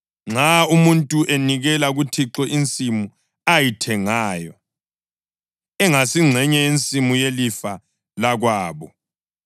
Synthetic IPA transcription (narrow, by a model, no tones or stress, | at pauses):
ŋ͡ǁaumuntʼuʔeniɣɛlaɣutʰiǁɔʔint͡sʼimu | ajitʰɛŋaːjɔ | ɛŋasiŋ͡ǀʱɛɲɛjint͡sʼimujelifa | laɣwaːβɔ